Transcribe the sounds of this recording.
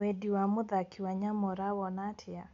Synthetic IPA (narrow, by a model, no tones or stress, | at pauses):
ɛdiwamʊðakʰiwaɲamɔɾawɔnatʰɪa